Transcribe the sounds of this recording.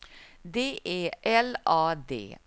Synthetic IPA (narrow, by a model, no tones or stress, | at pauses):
d̪eːʔeːʔɛlɑːd̪ḛː